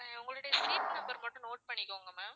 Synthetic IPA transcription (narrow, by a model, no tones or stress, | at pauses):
eʊŋɡɐɭɯɽejsʈɾiːpnɐmbɐɾmɐʈːʊ̃noːʈ̚pɐɳːɪkːoːŋɡɐmeː